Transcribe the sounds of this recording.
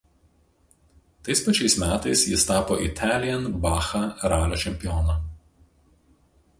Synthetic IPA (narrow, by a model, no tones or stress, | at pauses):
t̪ɐɪspɐt͡ʃʲɛɪsmʲæːt̪ɐɪsjɪst̪ɑːpoːʔɪ̰t̪ʲʰæːlʲɪjɛnbɑːxɐɾɑːlʲoːt͡ʃʲɛmʲpʲɪjɔːnɐ